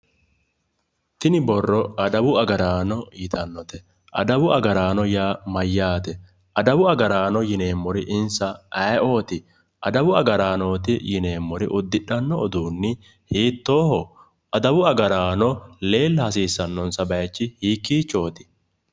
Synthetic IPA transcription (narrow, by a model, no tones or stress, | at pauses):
t̪ɪnɪbɔrːɔɐd̪ɐbʊɐɡɐɾaːnɔɪt̪ʰɐnːɔt̪ɛ | ʔɐ̰d̪ɐbʊʔɐɡɐɾaːnɔjaːmɐjːaːt̪ɛ | ʔɐd̪ɐbʊɐɡɐɾaːnɔjɪne̞ːmːɔɾɪʔɪnsɐɐjo̞ːt̪ɪ | ʔɐd̪ɐbʊɐɡɐɾaːno̞ːt̪ɪjɪne̞ːmːɔɾɪ̰ʔʊd̪ːɪᶑɐnːɔːd̪uːnːɪ | hiːt̪ːoːhɔ | ɐd̪ɐbʊɐɡɐɾaːnɔle̞ːlːɐhɐsiːsːɐnːɔnsɐbɐjt͡ʃːɪhiːkːiːt͡ʃːo̞ːt̪ɪ̥